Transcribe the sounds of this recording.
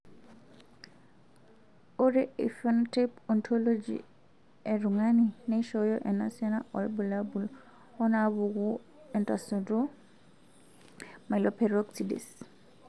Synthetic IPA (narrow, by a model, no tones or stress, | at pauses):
oɾeʔḭfɔntepɔntʰɔlod͡ʒḭ | ɛɾuŋanineʃɔjɔʔɛna̰siɔnaɔ̰lbulabul | ɔnaβuɡu | ɛntasɔdɔ | malɔpʰɛɾɔksidḭs